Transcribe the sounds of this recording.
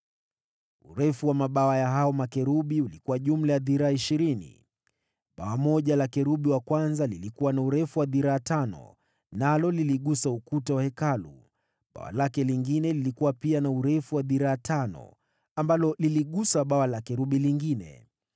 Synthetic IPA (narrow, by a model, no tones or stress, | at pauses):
ṵɾɛfuwamaɓawajaɦaɔmakɛɾuɓiulikuwaʄum̩lajaðiɾaaiʃiɾinḭ | ɓawamɔʄalakɛɾuɓiwakwanzalilikuwanauɾɛfuwaðiɾaːtanɔ̰ | nalɔliliɠusaukutawahɛkalṵ | ɓa̰wa̰lakɛliŋɡinɛlilikuwapianauɾɛfuwaðiɾaːtʰanɔ̰ | ambalɔliliɠusaɓawalakɛɾuɓiliŋɡinɛ̰